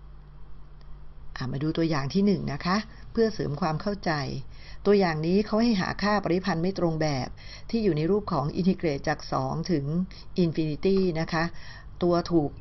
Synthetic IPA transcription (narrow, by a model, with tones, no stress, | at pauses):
ʔaː˨˩maː˧duː˧t̪u˧ɐjaː˨˩ŋt̪ʰiː˥˩nɯ˨˩ŋna˦˥kʰa˦˥ʔpʰɯ˥˩ɐsɤː˩˦mkʰwaː˧mkʰa˥˩wt͡ɕa˧j | t̪u˧ɐjaː˨˩ŋniː˦˥kʰa˦˥wha˥˩jɦa̰ː˩˦kʰaː˥˩pa˧ɾi˦˥pʰa˧nma˥˩jt̪ɾo˧ŋbɛː˨˩p̚t̪ʰiː˥˩juː˨˩na˧jɾuː˥˩p̚kʰɔː˩˦ŋʔḭ˧nt̪i˧˥kɾeː˨˩t̪̚t͡ɕaː˨˩k̚sɔː˩˦ŋt̪ʰɯ˩˦ŋ | ʔi˧nfi˧ni˧˦˥t̪iː˥˩na˦˥kʰa˦˥ | t̪u˧ɐt̪ʰuː˨˩k̚